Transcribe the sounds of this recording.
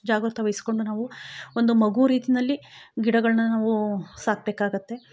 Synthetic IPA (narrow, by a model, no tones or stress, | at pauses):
d͡ʒaːɡɾut̪ʰɐʋɐjisi̥ko̞ɳɖunaːʋuond̪umɐɡuɾiːt̪inɐlːiɡiɽɐɡɐɭɐnɐnaːʋusaːk̚beːkaːɡut̪ːe̞